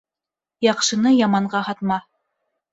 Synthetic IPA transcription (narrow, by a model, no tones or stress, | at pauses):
jɑqʃɤ̆nɤjɑmɑɴɢɑhɑt̪mɑ